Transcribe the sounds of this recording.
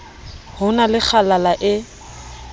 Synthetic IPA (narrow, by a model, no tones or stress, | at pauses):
hʊnalɪk͡xʰalalaʔɪ